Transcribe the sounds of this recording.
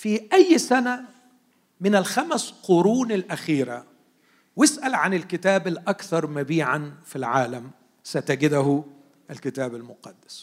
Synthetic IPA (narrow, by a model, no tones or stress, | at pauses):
fiːʔæjːsæna | mɪnɪlxamsqʊɾuːnɪlʔæxiːɾa | wɪsʔalʕanɪlkɪt̪æːbalʔakθɑɾˤmabiːʕanfilʕaːlam | sat̪aɡɪd̪aɦʊ | ʔɪlkɪt̪æːbalmʊqɑd̪ːḁs